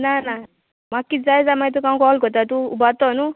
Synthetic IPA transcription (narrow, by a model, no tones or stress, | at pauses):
nana | makːid͡zajzamajt̪̬ukaw̃kɔlkɔt̪at̪uubat̪ɔnu